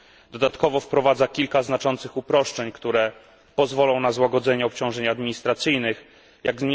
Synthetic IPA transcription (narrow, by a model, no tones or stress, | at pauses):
d̪ɔd̪at̪kɔvɔfpɾɔvad̪zakʲilkaznat͡ʂɔnt̪sɘxupɾɔʂt͡ʂɛɲkt̪uɾɛ | pɔzvɔlɔ̃w̃nazwaɡɔd̪zɛɲɛɔp̚t͡ɕɔ̃w̃ʐɛɲad̪mʲiɲist̪ɾat̪sɘjnɘx | jaɡz